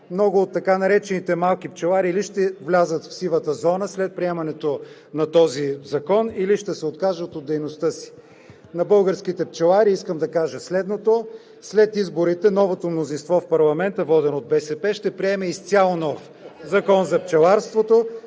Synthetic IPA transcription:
mnɔɡʊːt̪ːɐkanɐɾɛt͡ʃɛnit̪ɛmalˠk̟ip̚t͡ʃɛlˠaɾiːliʃt̪ɛvlʲazət̪fsivˠət̪əzɔnəslɛt̪̚pɾiɛmɐnɛt̪o | nɐt̪ɔzizɐkɔniliʃt̪ɛsɛot̪kaʒət̪od̪ːɛjnost̪ɤsi̥ | nɐbɤlˠɡəɾskit̪ɛp̚t͡ʃɛlˠaɾiiskəmd̪ɐkaʒəslɛd̪not̪o | slɛt̪izboɾit̪ɛnɔvot̪omnozinst̪vɔfpɐɾlˠɐmɛnt̪əvɔd̪ɛnod̪̚bɛsɛpɛʃt̪ɛpɾiɛmɛist̪sʲjalˠonɔf | zɐkɔnzɐpt͡ʃɛlˠaɾst̪vot̪o

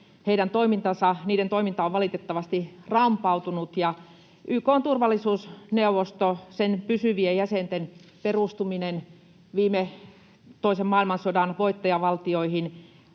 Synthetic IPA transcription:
heidænt̪oimint̪ɑsɑniːdent̪oimint̪ɑoʋʋɑlit̪et̪ːɑʋɑst̪irɑmpɑˑut̪unut̪jɑ | ʔyːkoːnt̪urʋɑlːˑisuːsneuʋost̪osenpysyʋiejjæsent̪enperuˑst̪uminen | ʋiːme | t̪oisemmɑˑilmɑnsodɑˑnʋoit̪ːɑjɑʋɑlt̪ioihin

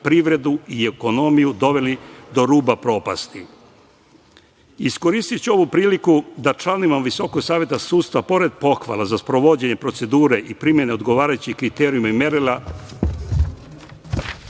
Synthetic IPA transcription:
pɾiʋɾe̞d̪uie̞ko̞no̞mijud̪o̞ʋe̞lid̪o̞ɾuːbapɾo̞ːpa̰st̪i | isko̞ɾiːst̪it͡ɕuo̞ʋupɾiːlikud̪at͡ʃlanimamʋiso̞ko̞ɡsaːʋje̞t̪asuːd̪st̪ʋapo̞ɾe̞d̪̚po̞xʋa̰lˠazaspɾo̞ʋo̞d͡ʑeɲe̞pɾo̞t̪se̞d̪uːɾeʔipɾimjene̞o̞d̪ɡo̞ʋaːɾajut͡ɕikɾit̪eːɾijumaimeɾila

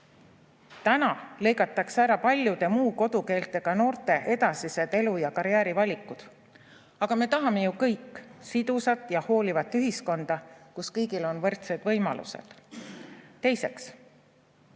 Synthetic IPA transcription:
t̪ænɑle̞jɡɑt̪ːˑɑksæɾɑpɑlʲjud̪̥e̞muːko̞d̪̥uke̞ːlt̪ːˑe̞ɡ̥ɑno̞ːrt̪ˑe̞ʔe̞d̪ɑsise̞d̪̥e̞lujɑkɑɾjæːɾivɑlʲikˑːud̪̥ | ɑɡ̥ɑme̞ːt̪ɑɦɑme̞jukɤjkːˑsid̪̥usɑt̪ːˑjɑho̞ːlivɑt̪ːˑyɦisko̞nd̪̥ɑkuskɤ̞jɡilo̞nvɤrt̪sed̪̥vɤ̞jmɑ̰lṵsḛd̪̥ | t̪e̞jse̞ks

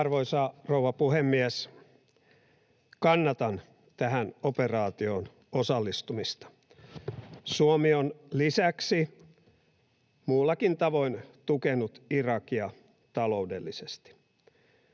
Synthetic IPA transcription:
rʋoisɑrowʋɑpuhemːiæs | kɑnːɑt̪ɑn | t̪æɦænoperɑːt̪io̞ːn | osɑlːist̪umist̪ɑ̥ | suomionlisæksi | muːlːɑkint̪ɑʋo̞int̪ukenut̪irɑkiɑ | t̪ɑlo̞udḛlːisest̪i̥

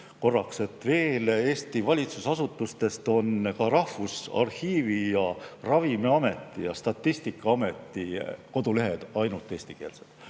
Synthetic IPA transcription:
ko̞rːɑkse̞t̪ːˑve̞ːleːst̪ivɑlʲit̪susɑsut̪ːˑust̪e̞st̪o̞nkɑɾɑhfusɑ̰rhiːvijɑrɑvimeɑme̞t̪ːˑijɑst̪ɑt̪ːist̪ikːˑɑɑme̞t̪ːiko̞d̪ule̞ɦed̪̥ɑjnult̪ːˑeːsʲt̪ike̞ːlsed̥̪

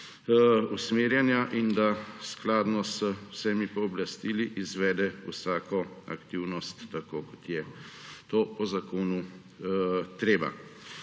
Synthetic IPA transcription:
usmeːɾjɛnjaʔind̪asklaːd̪nɔsəwsɛmipɔːblast̪iːliʔizʋɛːd̪ɛusaːkɔa̰kt̪iwnɔst̪ːakoːkɔ̥t̪jɛt̪oːpɔzakoːnu | t̪ɾeːba̰

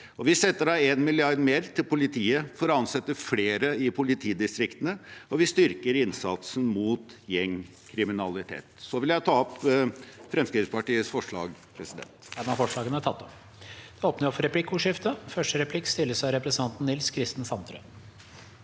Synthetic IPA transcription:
ɔʋɪsɛt̪ːəɖɑeːnmɪlɪɑɾɖ̪meːɾt̪ʰɪlpʊlɪt̪ʰiːəfɔɾɔɑnsɛt̪ːəfleːɾəɪpʰʊlɪt̪ʰiːd̪ɪst̪ɾɪkt̪ənəɔʋɪst̪ʏɾkəɾɪnsɑt̪sən̩muːt̪jɛŋ | kʰɾɪmɪnɑlɪt̪ʰḛːt̪sɔʋɪljæɪt̪ʰɑːɔp | fɾɛmskɾɪtspɑʈiːəsfɔʂɭɑ̰ːɡpʰɾɛsɪd̪ɛ̰nt̪æɖɛnɑfɔʂɭɑːɡənət̪ʰɑt̪ːɔm | d̪ɛoːpnəɾɔfɔɾɛpʰlɪkːuːʂɪft̪əfœʂʈəɾɛpʰlɪkːst̪ɪlːəsæɪɾɛpɾsən̩ʰɑnt̪n̩nɪlskʰɾɪst̪n̩sɑnt̪ʰɾœ̰

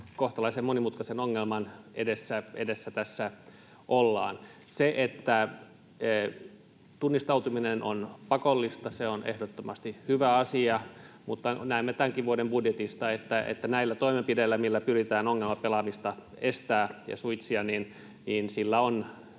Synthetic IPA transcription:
koht̪ɑlɑisemmonimut̪kɑsenoŋːelmɑnʔḛdesːæedesːæt̪æsːæ | ʔolːɑ̰ːn | seʔet̪ːæ | t̪unːist̪ɑut̪uminenʔonpɑkolːist̪ɑseonʔḛhdot̪ːomɑst̪ihyʋæɑsiɑ | mut̪ːɑnæimːet̪æŋkiʋʋuodembudjet̪ist̪ɑet̪ːæʔḛt̪ːænæilːæt̪oimempidelːæmilːæpyrit̪æːnoŋːelmɑpelɑmist̪ɑ | est̪æːjɑ̰suit̪siɑnin | niːnsilːæon

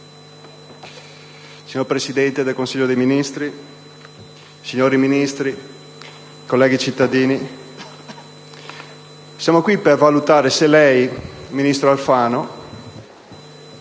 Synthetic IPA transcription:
siɲorpɾesid̪ɛnt̪ed̪elkonsiʎːod̪ejminist̪ɾi | siɲːoːɾiminist̪ɾi | kolːɛːɡit͡ʃit̪ːad̪iːni | sjaːmokwipervalut̪aːɾeselɛjminist̪ɾoalfaːno

